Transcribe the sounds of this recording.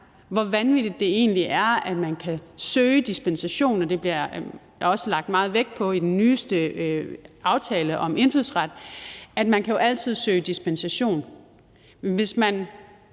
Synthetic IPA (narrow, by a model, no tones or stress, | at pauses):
ʋɒʋænʋid̥id̥ːe̝e̝̰ːnliʔæɐæd̥mænkʰæsøːəd̥isb̥ensæɕo̝̰ːnɒ̽d̥e̝b̥liɐ | ɒ̽səlɑ̈ɡ̥̚d̥mɑ̈ːð̩ˠʋeɡ̥̚pʰɒ̽id̥enːyːsd̥ə | ɑ̈ʊt͡sʰɛːləʔɒ̽me̝nfyðˠsʁad̥æd̥mænkʰæjo̝ʔæl̰t͡sʰið̞̰ˠsøːɪd̥isb̥ensæɕo̝̰ːn | ʋe̝smæn